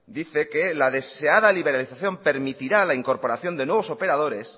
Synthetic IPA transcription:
d̪iθe̞ke̞laðe̞se̞aðaliβ̞e̞ɾaliθaθjo̞mpe̞ɾmit̪iɾalaiŋko̞ɾpo̞ɾaθjo̞nd̪enweβo̞so̞pe̞ɾað̞o̞ɾe̞s

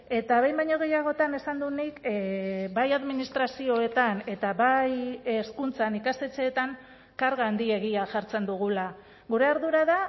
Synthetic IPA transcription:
e̞t̪aβe̞jmbajɲo̞ɣ̞e̞jaɣ̞o̞t̪ane̞sand̪unik | bajaðminist̪ɾasio̞e̞t̪ane̞t̪aβajeskunt͡sanikast̪e̞t͡se̞ːt̪aŋ | kaɾɣand̪ie̞ɣ̞iaʝaɾt͡se̞nd̪uɣ̞ula | ɣuɾe̞aɾðuɾaða

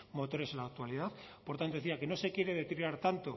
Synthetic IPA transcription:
mo̞t̪o̞ɾe̞selaːk̚t̪ualiðaθpoɾt̪ant̪oθiake̞no̞se̞kje̞ɾeðe̞t̪ɾiaɾt̪ant̪o̞

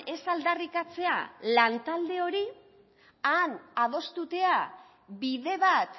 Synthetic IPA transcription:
e̞sald̪arikat͡se̞a̰lant̪ald̪e̞o̞ɾi | anað̞o̞st̪ut̪e̞a | biðe̞βat̪

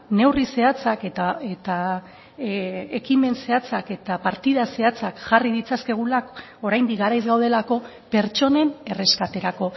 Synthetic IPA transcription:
ne̞wrise̞at͡sake̞t̪ae̞t̪a | e̞kime̞nse̞at͡sake̞t̪apaɾt̪ið̞ase̞at͡sakʝarið̞it͡saske̞ɣ̞ulak | o̞ɾajnd̪ik̚ɡaɾajzɣawðe̞lako̞ | pe̞ɾt͡ʃo̞ne̞ne̞re̞skat̪e̞ɾako̞

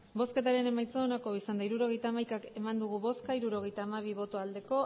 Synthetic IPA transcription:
bo̞ske̞t̪aɾe̞ne̞majt͡seoːnako̞isand̪aiɾuɾo̞ɣ̞e̞jt̪aːmajkake̞mand̪uɣ̞uβo̞skaiɾuɾo̞ɣ̞e̞jt̪aːmaβ̞iβo̞t̪o̞ald̪e̞ko̞

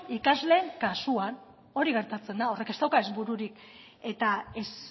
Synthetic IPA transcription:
ikazle̞ːŋkasuan | o̞ɾiɣ̞e̞ɾt̪at͡se̞nd̪ao̞re̞ke̞st̪awkae̞zβuɾuɾik̚ | e̞t̪ae̞s

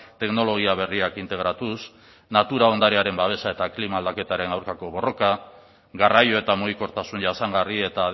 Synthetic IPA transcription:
t̪e̞kno̞lo̞ɣ̞iaβ̞e̞riakint̪e̞ɣ̞ɾat̪us | nat̪uɾao̞nd̪aɾe̞aɾe̞mbaβ̞e̞sae̞t̪aklimaːld̪ake̞t̪aɾe̞nawɾkako̞βo̞ro̞ka | ɡarajo̞e̞t̪amoiko̞ɾt̪asunʝasaŋɡarie̞t̪aːð

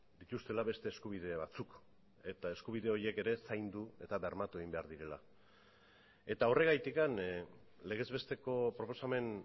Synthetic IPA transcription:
d̪it̪ust̪e̞laβe̞st̪e̞ːskuβ̞iðe̞βat͡suk | e̞t̪ae̞skuβ̞iðe̞o̞ɾie̞ke̞ɾe̞sajnd̪ue̞t̪aβeɾmat̪ueɣimbe̞aɾðiɾe̞la | e̞t̪ao̞re̞ɣajt̪ikan | le̞ɣ̞e̞zβe̞st̪e̞ko̞pɾo̞po̞same̞n

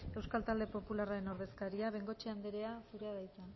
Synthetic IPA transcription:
e̞wskalt̪ald̪e̞po̞pularaɾe̞no̞ɾðe̞skaɾiaβe̞ŋɡo̞t͡ʃeand̪eɾe̞asuɾeaðajt̪a

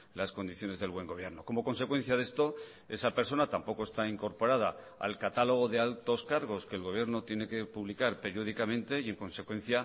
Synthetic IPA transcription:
lasko̞nd̪iθjo̞ne̞zðe̞lβwe̞ŋɡo̞β̞je̞ɾno̞ko̞mo̞ko̞nse̞kwe̞n̟θjaðe̞st̪o̞ | e̞sape̞ɾso̞nat̪ampo̞ko̞e̞st̪aiŋko̞ɾpo̞ɾað̞a̰ | a̰lkat̪alo̞ɣ̞o̞ðe̞alt̪o̞skaɾɣ̞o̞ske̞ːlɣo̞β̞je̞ɾno̞t̪jene̞ke̞puβlikaɾpe̞ɾjo̞ð̞ikamẽ̞nt̪e̞ie̞ŋko̞nse̞kwẽ̞n̟θja

